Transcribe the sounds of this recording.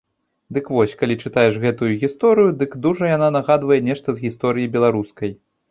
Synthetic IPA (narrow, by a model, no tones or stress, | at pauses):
d̪ɨkvɔsʲkalʲit͡ʂɨt̪ajɛʂɣɛt̪ujuɣʲist̪ɔɾɨjud̪ɨkd̪uʐɐjananaɣad̪vɐjɛnʲɛʂt̪ɐzɣʲist̪ɔɾɨjibʲɛlˠaɾuskɐj